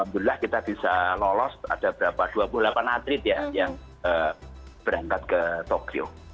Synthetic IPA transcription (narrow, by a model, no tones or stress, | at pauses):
am̚d̪ulilahkit̪ab̥isalɔlɔsa̰d̥ab̥əɾapad̥uabʊhlapanat̪ɾɪt̪̚jajaŋ | əb̥əɾaŋkat̪̚kət̪okio̰